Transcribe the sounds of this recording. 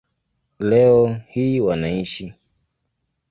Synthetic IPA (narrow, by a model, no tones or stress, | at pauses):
lɛɔhiːwanaiʃi